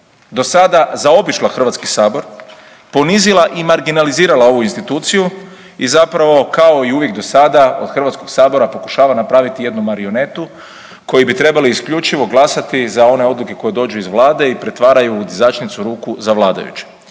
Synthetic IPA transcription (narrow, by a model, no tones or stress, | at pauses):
d̪o̞sad̪azao̞biʃlˠaxr̩ʋat̪skisaːbo̞ɾ | po̞nizilˠaʔimaɾɡinaliziːɾalao̞ʋuinst̪it̪uːt̪siju | izapɾaʋo̞kao̞iuʋje̞ɡ̚d̪o̞sad̪ao̞̰d̪xr̩ʋat̪sko̞ɡsaːbo̞ɾapo̞ku̥ʃaːʋanapɾaːʋit̪ije̞d̪numaɾio̞ne̞t̪u | ko̞jibit̪ɾe̞baliːskʎut͡ʃiʋo̞ɡlasat̪izao̞ne̞o̞d̪lˠuke̞ko̞je̞d̪o̞ːd͡ʒuizʋlˠaːd̪e̞ipɾe̞t̪ʋaːɾajud̪izat͡ʃnit̪suɾuːkuzaʋlˠaːd̪a̰jṵt͡ʃe̥